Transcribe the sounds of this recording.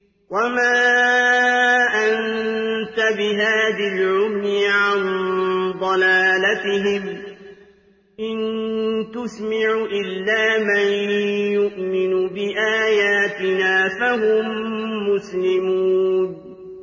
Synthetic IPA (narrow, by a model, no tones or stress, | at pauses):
wamaː | ʔant̪abɪɦaːðalʕʊmnɪʕand̪ˤɑlaːlat̪ɪɦɪm | ʔɪnt̪ʊsmaʕʕuʔɪlːaːmanjʊʔmɪnubɪʔaːjaːt̪ɪnaːfaɦʊmːʊslɪmuːn